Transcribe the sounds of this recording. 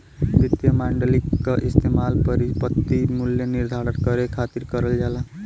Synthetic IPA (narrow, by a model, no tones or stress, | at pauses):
ɾit̪jəmaɳɖəlikːaʔɪst̪emaːlpəɾipət̪ːimuljənɪɾd̪ʱaːɾənkəɾekʰaːt̪iɾkəɾəld͡ʒaːla